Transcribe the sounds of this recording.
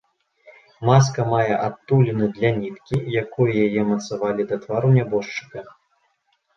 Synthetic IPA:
mas̬kɐmajɛʔat̪ːulʲinɨd̪lʲanʲit̪kʲijakɔjɐjajɛmɐt̪savalʲid̪ɐt̪vaɾunʲabɔʂt͡ʂɨ̥kɐ

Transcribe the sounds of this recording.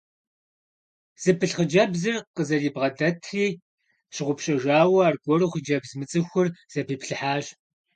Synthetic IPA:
z̥ɨpʰɨɬχəd͡ʒɐbzɨrqəzɐɮiːbʁɐdɐtʰriː | ɕɪʁʷʊpɕʼɐʒaːwɐaːrɡʷɔruːχəd͡ʒɐbzmɨt͡sʼɨxʷʊrz̥ɐpʰiːpɬɨħaːɕ

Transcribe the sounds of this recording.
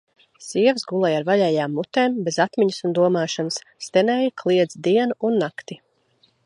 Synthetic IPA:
siɛvsɡulˠɛjaɾvaʎɛːjaːmːut̪ɛːmbezat̪miɲɨsund̪uɔmaːʃanst̪enɛːjkʰlˠiɛd̪zd̪iɛnuunːakt̪i

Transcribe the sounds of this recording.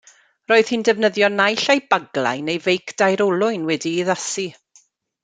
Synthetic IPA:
roːɨð̥hindɛvnəðjɔnajɬejbaɡlˠa̰jnejvejkʰd̥ajɾɔlˠʊɨnwɛdiːðasi

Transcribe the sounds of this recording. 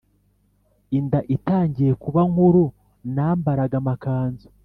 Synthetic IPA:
indaʔitaːɲɟije̞kuβaŋhuɾu | naːmbaɾaɡamakaːnzo̥

